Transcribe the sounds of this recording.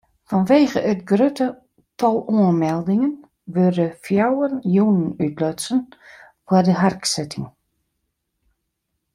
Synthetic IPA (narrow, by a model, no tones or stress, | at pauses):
fɔnʋeːɣəʔətɡrøtə | tʰɔlˠuənmɛlˠdɪŋən | ʋørdəfjawənjunənytlɔsən | fwədəɦarksɪtʰɪŋ